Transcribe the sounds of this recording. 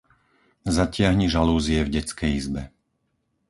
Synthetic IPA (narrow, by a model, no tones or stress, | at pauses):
zacɪaɦɲiʒaluːziɛvɟɛt͡skɛjizbɛ